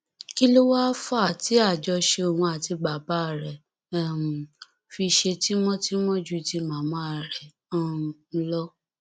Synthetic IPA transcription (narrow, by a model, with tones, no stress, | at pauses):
ki˦lo˦wa˦fa˦a˨ti˨˦a˦˨d͡ʒɔ˧ʃe˧o˨wɔ̃˧a˨ti˧ɡ͡ba˨˦ba˨˦˨ɾɛ̃˨ | fi˧ʃe˧ti˦mɔ̃˦ti˦mɔ̃˦d͡ʒu˦˨ti˧mãː˨mɔ̃˨˦a˨ɾɛ˨ | ɔ˦˨˧lɔ˦